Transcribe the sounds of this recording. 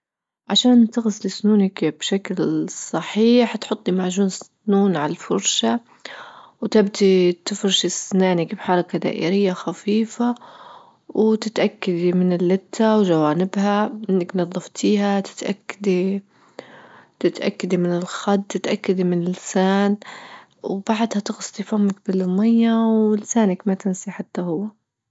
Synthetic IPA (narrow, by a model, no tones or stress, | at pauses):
ʕaʃaːnt̪ɪɣɪslɪsnuːnakb̥ʃaklsˤɑħiːħt̪ħʊt̪ˤːimaʕʒuːnɪs | nuːnʕalafʊɾˤʃa | wt̪abt̪it̪ɪfɾʃɪsnaːnɪkbħɑɾˤɑkad̪a̰ːʔḭːɾɪjːaxafiːfa | wt̪ɪt̪ʔakːad̪imɪnɪlːɪt̪ʰːawʒawaːnɪbhaʔɪnːaknɑðˤːɑft̪ʰiːɦat̪ɪ̥t̪ʔa̰kːad̪i | t̪ɪt̪ʔa̰kːad̪imɪnɪlxad̪t̪ɪt̪ʔakːad̪imɪnɪlɪsaːn | wbaʕd̪hat̪ɪɣʊsˤt̪ifamːak̚bɪlmajːawɪlɪsaːnakmat̪ɪnsiħat̪ːahʊwːa